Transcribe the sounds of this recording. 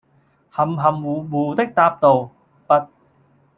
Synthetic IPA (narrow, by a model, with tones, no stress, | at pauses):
hɐ˨˩mɦɐ˨muː˨˩wuː˨˩t̪ɪ˥k̚t̪aː˧p̚t̪o˨w | pɐ˥t̚